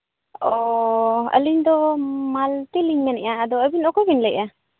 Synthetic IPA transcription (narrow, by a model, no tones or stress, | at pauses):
ɔ | ə̰liɲd̪ɔmalt̪iliɲmɛnɛʔaʔəd̪ɔəbinɔkɔbinlɛja